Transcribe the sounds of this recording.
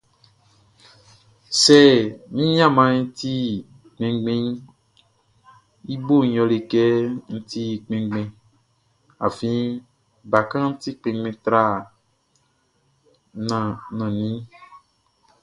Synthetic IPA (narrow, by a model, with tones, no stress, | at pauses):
sɛ˦˨nĩ˦ɲĩ˦ã˦˨mã˨˦ɲĩ˧ti˦˨ | k͡pẽ˨˦ɡ͡bẽ˦ | i˦bo˦˨˦ɔ̃˧le˨kɛ˦ŋ̩˦ti˦˨k͡pẽ˨˦ɡ͡bẽ˧ | a̰˨fĩ˦ | ba˨kã˦n̩˦ti˦k͡pẽ˨˦ɡ͡bẽ˧t̪ɾa˦˨ | nã˨nɔ̃˨nĩ˦